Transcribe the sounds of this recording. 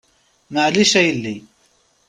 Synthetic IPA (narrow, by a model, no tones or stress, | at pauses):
maːliɕɐilːi